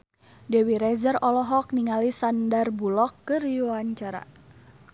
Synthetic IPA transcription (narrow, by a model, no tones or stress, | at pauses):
dɛwiɾɛzərɔlɔɦɔk̚niŋalisandarbulɔkːɨrjuwaɲt͡ʃaɾa̰